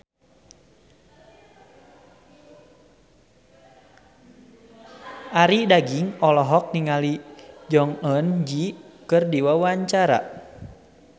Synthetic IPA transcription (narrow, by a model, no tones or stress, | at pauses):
aɾidaɡiŋɔlɔɦɔk̚niŋalid͡ʒɔŋɔnd͡ʒikɨrdiwawaɲt͡ʃaɾa̰